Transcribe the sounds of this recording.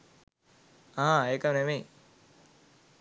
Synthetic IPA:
aɦaeːkəmnemej

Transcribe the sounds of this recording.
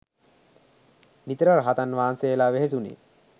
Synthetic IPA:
nit̪ɾaɾɦat̪anʋaːnseːlaʋeɦes̬unḭ

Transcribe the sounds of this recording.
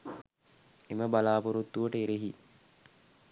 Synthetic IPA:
eməbalaːpoɾut̪ːuʋəʈəeɾeɦi

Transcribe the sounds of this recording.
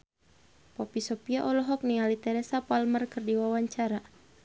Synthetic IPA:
pɔpisɔpiaʔɔlɔɦɔk̚nialit̪ɛɾesapalmərkɨrdiwawaɲt͡ʃaɾa

